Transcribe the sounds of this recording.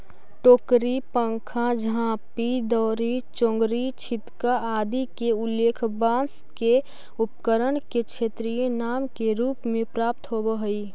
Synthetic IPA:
ʈoːkɾipə̃ŋkʰãd͡ʒãːpid̪ɔːɾit͡ʃõŋɡɾit͡ʃʰɪt̪kaaːd̪ikeʊlːeːkʰbãːs | ke | ʊpkəɾəɳket͡ʃʰeːt̪ɾijenaːmkeɾuːpmẽpɾaːp̚t̪ɦobəɦi

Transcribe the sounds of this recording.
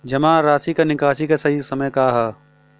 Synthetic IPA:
d͡ʒɐmãːɾaːsikenɪkaːʃikesɐɦisɐməjkaːɦaː

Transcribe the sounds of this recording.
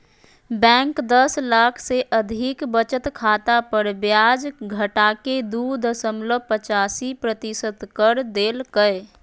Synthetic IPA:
bɛ̃ːŋkd̪əslaːkʰseʔəd̪ʱɪkbət͡ʃət̪kʰaːt̪apəɾbjaːd͡ʒɡʱəʈaked̪ud̪əsəmləpət͡ʃaːsipɾət̪isət̪kəɾd̪eːlkəe

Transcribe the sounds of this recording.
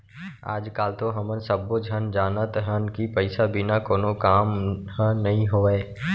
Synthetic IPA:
a̰ːd͡ʒkaːlt̪oɦɐmənsəbːod͡ʒʱənd͡ʒaːnət̪ɦənkipəɪsabʱinakoːnokaːmhə̃nɐɦĩɦoːɛː

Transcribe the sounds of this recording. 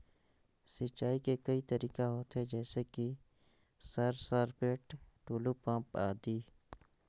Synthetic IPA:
sɪt͡ʃaːikekɐit̪ɐɾiːkaɦoːt̪ɦed͡ʒɛːseki | sɐɾsaɾpeːʈʈuːlupãːpaːd̪iː

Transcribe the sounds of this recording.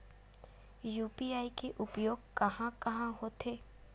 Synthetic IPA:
juːpiaːikeʔʊpjoːɡ̚kɐɦãkɐɦãɦoːt̪ʰeː

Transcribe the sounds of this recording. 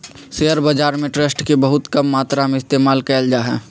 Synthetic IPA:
seːəɾbəd͡ʒaːɾmẽʈɾesʈkebəɦʊt̪kəmːaːt̪ɾamẽɪst̪eːmaːlkɛːld͡ʒaːɦɛ̰̃ː

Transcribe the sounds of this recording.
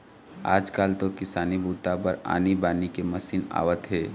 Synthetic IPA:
a̰ːd͡ʒkaːlt̪okɪsaːnibʱuːt̪apəɾa̰ːnibaːnikemɐsiːna̰ːʋət̪ɦɛː

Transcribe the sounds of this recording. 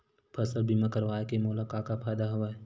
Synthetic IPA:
pʰɐsəlbʱimãkəɾʋaːekemoːlakaːkapʰaːd̪aɦɐʋaː

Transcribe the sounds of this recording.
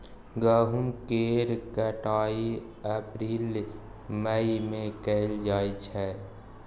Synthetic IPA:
ɡəɦumkeːɾkəʈaːi | əpɾiːl | məimẽkɛld͡ʒaːit͡ʃʰɛ

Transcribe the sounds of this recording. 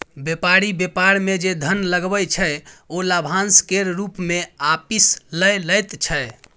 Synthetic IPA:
bepaɾibepaɾmed͡ʒed̪ʱənləɡbəjt͡ʃʰəjolabʱãnskeɾɾupmeapisləjləjt̪t͡ʃʰɛ

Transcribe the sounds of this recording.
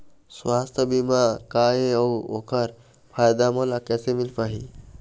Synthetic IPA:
swast̪ʰəbimakajeʌwokʰəɾ | pʰajd̪amɔlakɛsemilpaɦi

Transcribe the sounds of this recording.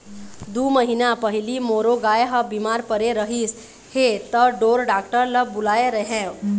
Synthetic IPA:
d̪uːməɦinapəɦilimoɾoɡajeɦəbimaɾpəɾeɾəɦis | het̪əɖoːɾɖaːk̚ʈəɾləbʊlaeɾəɦẽ

